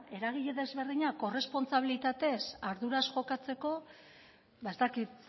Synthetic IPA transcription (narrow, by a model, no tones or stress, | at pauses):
e̞ɾaɣ̞iʎe̞ðezβe̞ɾðiɲako̞re̞spo̞nt͡saβ̞ilit̪at̪e̞saɾðuɾasʝo̞kat͡se̞ko̞ | βae̞st̪akit̪